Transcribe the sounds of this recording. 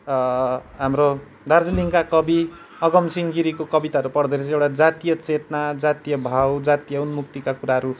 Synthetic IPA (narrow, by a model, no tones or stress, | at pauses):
ɦamro | d̪ʱard͡ziliŋkakʌbi | ʌɡʌmsiŋɡiɾikokʌbit̪aɦʌɾupʌɽd̪eɾʌ̃ewʈad͡zat̪ijʌt͡set̪nad͡zat̪ijʌbʱawd͡zat̪ijʌunmuk̚t̪ikakuɾaɦʌɾu